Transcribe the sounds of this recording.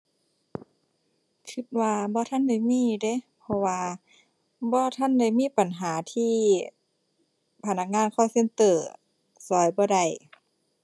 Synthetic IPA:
kʰɯ˧t̪̚waː˧bɔː˧˦t̪ʰa˧˥˨nda˧˩jmiː˧˥˨de˧˦pʰɔ˧waː˧ | bɔː˧˦t̪ʰa˧˥˨nda˧˩˨jmiː˧˥˨pa˨nɦaː˨˦t̪ʰiː˧˥˨ | pʰa˧˩na˧k̚ŋaː˧˥˨nkʰɔː˧˩se˧˥˨nt̪ɤː˨˩ | sɔː˨˦jbɔː˧˦da˧˩j

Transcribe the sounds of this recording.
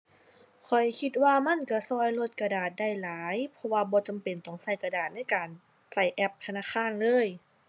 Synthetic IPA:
kʰɔ˨˩jkʰi˧t̪̚waː˧ma˧˥˨nka˧˩sɔː˧˩jlo˧t̪̚ka˧daː˨˩t̪̚da˧˩jlaː˨˦jpʰɔ˧waː˧bɔː˧˦t͡ɕa˨mpe˨˩nt̪ɔ˧˩ŋsa˧˩jka˧daː˨˩t̪̚na˧˥˨jkaː˨˩n | sa˧˩jʔɛ˧˩p̚t̪ʰa˧naː˧˥˨xʰaː˧˥˨nlɤː˧˥˨j

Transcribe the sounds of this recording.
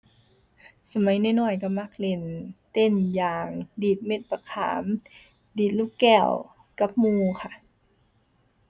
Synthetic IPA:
sa˧ma˨˦jna˧˥˨nɔː˧˩jka˧˩ma˧˥˩k̚le˧˩nt̪e˧˥˨njaː˨˩ŋdiː˨˩t̪̚me˧˩t̪̚pa˧kʰa̰ː˩˦m | diː˨˩t̪̚luː˧˥˩kːɛː˧˩w | ka˧˦˥p̚muː˧kʰa˧˩˨ʔ

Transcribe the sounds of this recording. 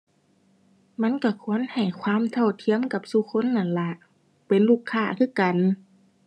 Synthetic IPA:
ma˧˥˨nka˧˩kʰu˧˥ə˨nha˨˩jkʰwaː˧˥˨mt̪ʰa˧˩wt̪ʰi˧˥əmka˧˩p̚su˧˦kʰo˧˥˨nːa˧˩˨nla˧ʔ | pe˨nluː˧˩kʰːaː˧˩˨kʰɯː˧˥˨ka˨n

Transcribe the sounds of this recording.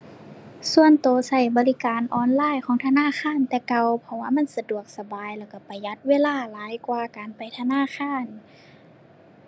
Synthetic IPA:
su˧˨ənt̪oː˨˧sa˧˩jbɔː˧˦li˧˩kaː˨nʔɔː˧˩nlaː˧˥˨jkʰɔː˨˦ŋt̪ʰa˧naː˧˥˨xʰaː˧˥˨nt̪ɛː˧ka˧wpʰɔ˧waː˧˥˨ma˧˥˨nsa˧du˨˩ək̚sa˧baː˨jlɛː˧˩wka˧˩pa˨˩jːa˧˦t̪̚weː˧˥˨laː˧˩˨laː˨˦jkwaː˧kaː˨npa˨jt̪ʰa˧naː˧˥˨xʰaː˧˥˨n

